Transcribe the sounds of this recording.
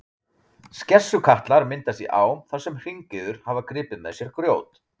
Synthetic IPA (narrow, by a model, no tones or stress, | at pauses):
scɛsːʏkʰaht̪laɾmɪnt̪ast̪jḭʔa̰ːwmθasɛmr̥iɲcɪðʏɾ̥havakɾɪːpɪnasjɛɾ̥kɾjoːwt̪